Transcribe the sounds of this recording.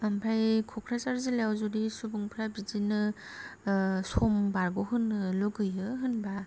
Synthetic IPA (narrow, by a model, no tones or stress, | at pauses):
ampʰajkʰɔkʰɾasaɾzɯleawzuɾisubuŋpʰɾabizinɯ | sɔmbaɾɡoɦɯnːɯluɡɯjɯɦɯnba